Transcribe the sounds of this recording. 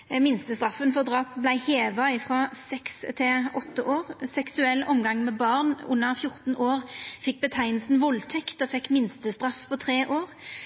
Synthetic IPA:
mɪnst̪əst̪ʁɑfːənfɔʁd̪ʁɑːpblæɪheːʋɑɪfʁɑːsɛkst̪ʰɪɔt̪ːəʔoːʁsɛksʉɛlːʔɔmɡɑŋmɛbɑʁnʊ̰nːəʁfjʊʁt̪n̩ʔoːʁfɪk̚ːbət̪ʰæɪnəlsn̩ʋɔlt̪ʰɛkt̪ɔfɛkːmɪnst̪əst̪ʁɑfpʰɔt̪ʰʁeːʔoːʁ

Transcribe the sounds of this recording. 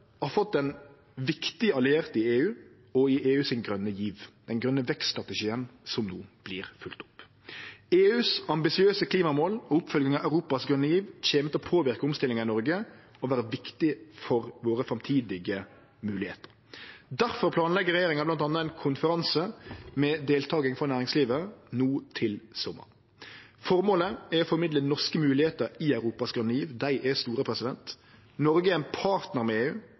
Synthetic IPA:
ɑfɔt̪̚d̪ɛn | ʋɪkt̪ɪəɑlɪeːʁt̪əɪeːʉː | ɔɪʔeːʉːsɪnɡɾœnːəjiːʋd̪̥ɛnɡɾœnːəʋɛksst̪ɾɑt̪əʃiːənsɔmnuːb̥liːɾfʉlt̪ʊ̥p | eːʉːsɑmbɪsɪøːsəkʰliːmɑmoːlɔʊpfœlɡɪŋɑæʉɾuːpɑsɡʁœnːəjiːʋçeːmət̪ɔpʰoːʋɪɾkəʊmst̪ɪlːɪŋɑɪnɔɾɡə | ɔʋæːɾəʋɪkt̪ɪfɔɾʋoːɾəfɾɑmt̪ʰiːd̪ɪɡə | mʉːlɪhḛːt̪əɾ | d̪æɾfɔɾpʰlɑːnlɛɡəɾɛjeːɾɪŋɑblɑnt̪ɑnːəɛɪnkʰʊnfəɾɑnsəmɛd̪eːlt̪ʰɑːɡɪŋfɾɔnæːɾɪŋsliːʋənuːt̪ʰɪlsɔmːə̰ɾ | fɔɾmoːləæɾɔfɔɾmɪd̪lənɔʁʂkəmʉːlɪheːt̪əɾɪɑʉɾuːpɑsɡɾʉnːəiːʋd̪æɪʔɛst̪uːɾəpʰɾɛsɪd̪ɛnt̪ | nɔɾɡəɛɛɪnpʰɑːɾt̪nəʁmɛeːʉː

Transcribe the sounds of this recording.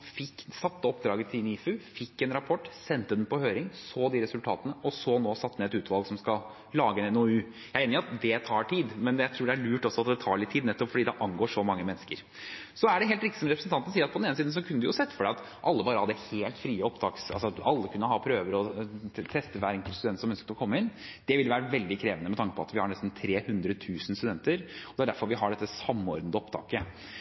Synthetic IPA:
fɪkːsɑt̪ːəɔpd̪ɾɑːɡət̪ʰɪlniːfʉfɪkːɛnɾɑpʰɔʈːsɛnt̪əd̪ɛnpɔhøːɾɪŋsoːd̪iɾɛsʉlt̪ʰɑ̰ːt̪ənəɔsɔnoːsɑt̪ːnɛɛt̪ʉːt̪ʋɑlˠɡsɔmskɑl | lɑːɡəɛnɛnoʉː | jæɪeːnɪʊɾɑt̪d̪ɛt̪ʰɑːʈʰiːd̪mɛnɛjæɪt̪ʰɾuːɖɛæɭʉːʈɔsɔɑt̪̚d̪ɛt̪ʰɑːɭɪt̪ʰːiːd̪nɛt̪ːɔpfɔɖiːd̪ɛʔɑnɡoːʂɔmɑŋːəmɛnːəskəɾ | sɔæɖɛɦeːlt̪ɾɪkt̪ɪ̥sɔmɾɛpɾsn̩t̪ɑnt̪n̩siːɾɑt̪pʰɔd̪neːnəsiːd̪n̩sɔkʰʉndəd̪ʉjʊsɛt̪ːfɔɖæɑt̪ | ʔɑlːəbɑːɾəhɑd̪ːəheːlt̪fɾiːəɔpt̪ʰɑːksɑlsɔɑlːəkʰʉnːəhɑːpʰɾøːʋəɾɔt̪ʰɛst̪əʋæːɾɛŋkəlt̪sʉɛnt̪sɔmœnskət̪ɔkʰɔmːəɪnd̪̥ɛʋɪljʋæːɾəʋɛld̪ɪkʰɾeːʋənəmɛt̪ʰɑŋkəpʰɔɑ̰t̪ʋɪhɑɳɛsn̩t̪ʰɾeːhʉnd̪ɾət̪ʰʉːsn̩st̪ʉd̪ɛnt̪əɾɔd̪ɛæɖæɾfɔɾʋɪɦɑɖɛt̪ːəsɑmːɔ̰ɾd̪nd̪əɔpt̪ʰɑ̰ːkə

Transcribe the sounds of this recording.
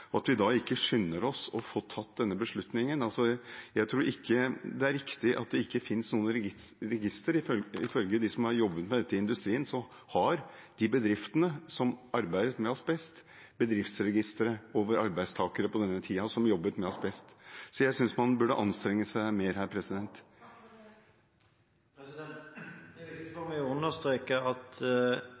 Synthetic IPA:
ɔɑt̪ʋɪd̪ɑɪkːəʂʏnːəɾɔsɔfot̪ʰɑt̪ːd̪ɛnːəbəʂɭʉt̪nɪŋənɑlsɔjæɪt̪ʰɾuːɾʔɪkʰːəd̪ɛæɾɪkt̪ɪʔɑ̰t̪̚d̪ɛɪkːəfɪnsnuːənɾɾɛɡɪst̪əɾɪɪ̰fœlɡəd̪ɪsɔmhɑɾjɔbːət̪mɛd̪ɛt̪ːəɪnd̪ʉst̪ɾiːənsɔ | hɑɾ | d̪̥ɪbəd̪ɾɪft̪ənəsɔmɑɾbæɪd̪ət̪mɛɔsbɛst̪ | bəd̪ɾɪft̪sɾɛɡɪst̪əɾəoːʋəɾɑɾbæɪst̪ʰɑːkəɾəpɔd̪ɛnːət̪ʰiːɑsɔmjɔbːət̪mɛɔsbɛst̪sɔjæɪsʏnsmɑnbʉɖəʔɑnst̪ɾɛŋːəsæɪmeːɾhæːɾpʰɾɛsɪd̪ɛnt̪ | mɛʉnəst̪ɾeːkəɑt̪

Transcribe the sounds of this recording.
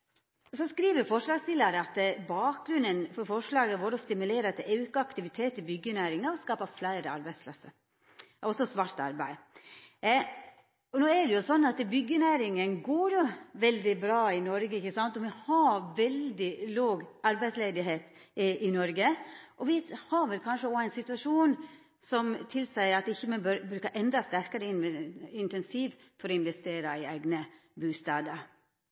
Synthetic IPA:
sɔskɾiːʋəɾfɔʂɭɑːɡst̪ɪləɾəɑt̪bɑːk̚ɡɾʉnːənfɔɾfɔʂɭɑːɡəʋoːɾɔst̪ɪmʉleːɾət̪ʔɑʉkəɑkt̪ɪʋɪt̪ʰeːt̪ɪbʏɡənæɪɾɪŋɑɔskɑːpɑflæɪɾəɑ̰ɾbæɪspʰlɑsə | ɔsːɔsʋɑɾt̪ɑ̰ɾbæ̰ɪ | ɔnoːɛɖɛjʊsɔnːɑt̪bʏɡːənæɪɾɪŋənɡoːɾjʊʋɛld̪ɪbɾɑːɪnɔɾɡəɪçːəsɑnt̪ɔʋɪhɑʋɛld̪ɪloːɡɑɾbæɪsleːd̪ɪɦeːt̪ | ʔɪnɔɾɡəʔɔʋɪhɑɾʋɛlkʰɑnʂəoæɪnsɪt̪ʉʋɑʂuːn | sɔmt̪ʰɪlsæɪɑt̪ɪçːəmɛnbœɾbɾʉːkəʔɛnd̪ɾɑst̪æɾkəɾəɪnɪnt̪ɛnsiːʋ | fɔɾɔɪnʋɛst̪eːɾɑɪæɪɡnə | bʉːst̪ɑːd̪əɾ

